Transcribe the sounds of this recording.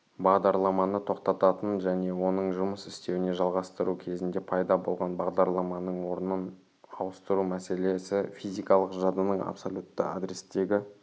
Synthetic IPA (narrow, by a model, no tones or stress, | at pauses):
bɑʁd̪ɑɾlˠɑmɑnət̪ʰo̞qt̪ɑt̪ɑt̪ənʒæne̞wo̞nəɴʒʊməsɪst̪e̞wɪne̞ʒɑlˠʁɑst̪əɾukʲʰe̞zɪnd̪e̞pʰɑjd̪ɑbo̞lˠʁɑnbɑʁd̪ɑɾlˠɑmɑnəɴwo̞ɾənən | ɑwəst̪əɾumæse̞le̞sɪfijzijkɑlˠəqʒɑd̪ənəɴɑ̰psolʲut̪ːə̰a̰d̪ɾest̪e̞ɡʲɪ